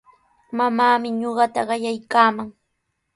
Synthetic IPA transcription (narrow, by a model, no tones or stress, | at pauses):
mamaːmɪɲoɢɑt̪aɢɑjajkaːmaŋ